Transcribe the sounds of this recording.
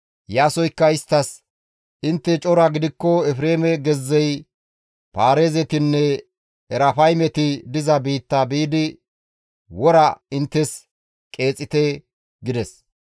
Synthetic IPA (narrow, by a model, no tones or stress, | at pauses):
jaːsɔjkːɐɪst̪ːɐs | ʔɪnt̪ːɛt͡ʃʼɔɾaɡɪd̪ɪkːɔɛfɾe̞ːmɛɡɛzːɛj | paːɾeːzɛt̪ɪnːɛ | ɛɾɐfɐjmɛt̪ɪd̪ɪzɐbiːt̪ːabiːd̪ɪ | wɔɾɐɪnt̪ːɛs | kʼe̞ːt͡sʼːɪt̪ɛ | ɡɪd̪ɛs